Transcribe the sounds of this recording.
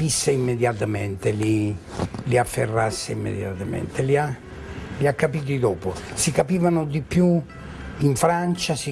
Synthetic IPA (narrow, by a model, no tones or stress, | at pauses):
pisːeimːed̪jat̪amɛnt̪eli | liafːḛrːasːeimːḛd̪ja̰t̪amḛnt̪elia | liakːapiːt̪̬id̪ɔːposikapiːvanʊd̪ipju | iɱfɾant͡ʃasi